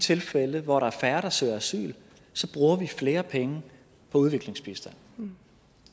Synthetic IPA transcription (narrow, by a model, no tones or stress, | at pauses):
t͡sʰe̝lfeləʋɒɾɑ̈æɐfæɐɾ̥ɑ̈sø̰ːɐæsy̰ːl | sɒ̽b̥ʁuːɐʋifle̝ːɐpʰeŋə | pʰɒ̽uð̞ˠʋe̝ɡ̥le̝ŋsb̥isd̥æn̰